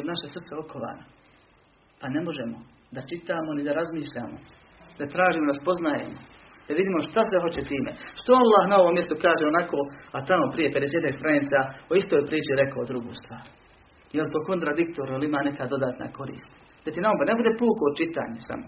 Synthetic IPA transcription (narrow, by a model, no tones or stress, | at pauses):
d̪naʃesr̩t̪seokʰoʋa̰ːna | panemo̞ʒemo | d̪at͡ʃit̪aːmo̞nid̪aɾazmiːʃʎaːmo̰ | d̪at̪ɾaːʒiːmod̪aspo̞znajḛmo | d̪aʋid̪iːmo̞ʃt̪asʋeɦo̞t͡ɕet̪iːmḛʃt̪oalːahnao̞ʋomːjest̪okaːʒeonako̞ːat̪amo̞pɾije̞ped̪eseːt̪ekst̪ɾannit̪sao̞ist̪oːjpɾiːt͡ʃiɾekod̪ɾuɡṵːst̪ʋaːɾ | jelt̪o̞ːko̞nt̪ɾad̪ikt̪oɾjelimaːne̞kad̪od̪aːt̪na̰ko̞ɾḭːst̪ | d̪at̪inaobone̞bud̪epuːkoːd̪̚t͡ʃit̪a̰ːɲesa̰mo